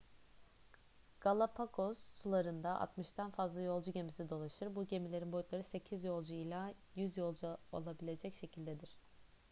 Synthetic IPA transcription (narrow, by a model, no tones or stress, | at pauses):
ɡ̥alˠapʰakʰozːulˠaɾɯnd̪aʔa̰t̪mɯʃt̪ʰanfazlˠajo̞lˠd͡ʒuɟe̞misid̪o̞lˠaʃɯɾbuɟe̞milʲeɾinbo̞jyt̪lˠaɾɯse̞cʰizjo̞lˠd͡ʒuilʲˠajyzjo̞lˠd͡ʒuo̰lˠabilʲe̞d͡ʒɛcʃe̞cʰilʲd̪ed̪iɾ̥